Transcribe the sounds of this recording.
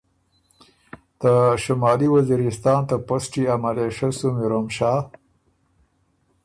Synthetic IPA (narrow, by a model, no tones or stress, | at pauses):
d̪̥əʃamɑːliwaziɾɪst̪ɑːnt̪aposʈiamaleʂasumiɾomʃɑː